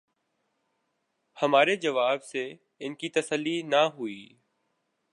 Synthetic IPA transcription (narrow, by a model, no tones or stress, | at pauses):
hɐmaːɾed͡ʒəʋaːbse | ɪnkit̪əsəlːinaɦʊiː